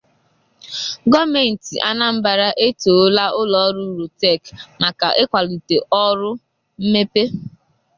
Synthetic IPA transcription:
ɡɔ˦me˨n̩˨tḭ˨ʔa˦na˦m̩˦ba˨ɾa˦ʔe˦to˨˦la˦ʊ˦lɔ˨˦ɾu˦ɾu˨tɛ˦˨kma˨ka˨ʔe˦kʷa˨lu˨te˨ʔɔ˦ɾʊ˦ | m̩˦me˦pe˦

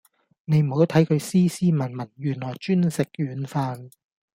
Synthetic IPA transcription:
ne˨˧jm̩˨˩ho˨˥wt̪ʰɐ˨˥jkʰɵ˨˧ɥsiː˥siː˥mɐ˨˩nmɐ˨˩njyː˨˩nlɔː˨˩jt͡ʃyː˥nsɪ˨k̚jyː˨˧nfaː˧n

